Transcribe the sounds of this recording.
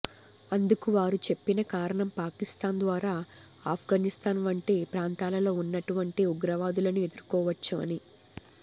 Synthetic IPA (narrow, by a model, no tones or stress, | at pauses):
ɐnd̪ukuʋaːɾut͡ʃe̞pːinɐkaːɾɐɳɐmpaːkist̪aːnd̪ʋaːɾaː | aːpʰɡaːnist̪aːnʋɐɳʈeːpɾaːnt̪aːlɐlo̞ːunːɐʈuʋɐɳʈiuɡɾɐʋaːd̪ulɐnue̞d̪uɾkɔːʋɐt͡ʃːuɐ̰ni